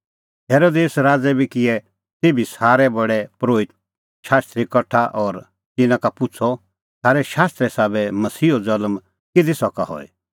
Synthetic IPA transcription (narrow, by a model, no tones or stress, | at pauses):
ɦeːɾoːd̪eːsɾaːd͡zɛbʱikɪɛ | t̪eːbisaːɾɛbɐɽɛpɾoːɪt̪̚ | ʃaːst̪ɾikɐʈʰːaʔɔːɾ | t̪ɪnãkapʊt͡sʰɔ | sʰaːɾɛʃaːst̪ɾɛsaːbɛmɐsiːod͡zɐlm | kɪd̪isɔkaɦɔ̰ɛ̰